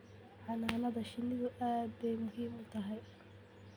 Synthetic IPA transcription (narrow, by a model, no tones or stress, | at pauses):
ħɑnaːnɐðɐʃɪnːɪɣʊʔaːd̪̚bɛjmʊɦiːmʊt̪ʰɐɦɛj